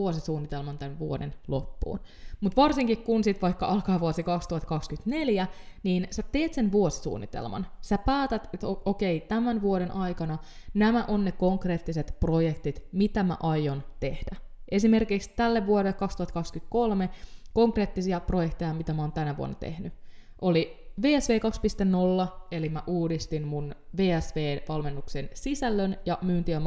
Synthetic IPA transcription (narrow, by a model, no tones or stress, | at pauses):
uosisuːnːit̪elmɑnt̪ænʋuo̰dḛnlo̞pːṵːn | mut̪ʋɑrsiŋkikkunsit̪ʋɑjkːɑʔɑlkɑːʋuosikɑkst̪uhɑt̪kɑkskyt̪ne̞ljæniːnsæt̪e̞ːt̪se̞nʋuosi̥sṵːnːit̪ḛlmɑ̰nsæpæːt̪æt̪et̪ooke̞jt̪æmænʋuoɾe̞nʔɑjkɑnɑnæmæʔonːeko̞ŋkre̞ːt̪ːiset̪pro̞jekt̪it̪mit̪æmæ̰ʔɑjːont̪e̞hd̥æʔe̞s̬ime̞rkikst̪ælːeʋʋuoɾelːekɑkst̪uhɑt̪kɑkskyt̪̚ko̞lme̞ko̞ŋkre̞ːt̪ːisiɑpro̞jekt̪e̞jɑmit̪æmæoːnt̪ænæʋṵo̰nːɑ̰t̪ḛhnyʔo̞liʋeːæsʋe̞ːkɑkspist̪enno̞lːɑe̞limæʔuːdist̪inmunʋe̞ːæsʋeːʋɑlme̞nːuksensisælːønjɑmyːnt̪iøm